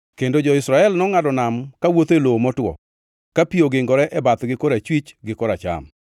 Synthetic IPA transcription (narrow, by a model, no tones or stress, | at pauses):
kendod͡ʒɔɪsɾaɛlnɔŋadɔnamkawot̪elomɔtwɔ̰ | kapioɡɪŋɡɔɾɛʔɛbat̪ɡɪkɔɾat͡ʃwit͡ʃɡɪkɔɾat͡ʃa̰m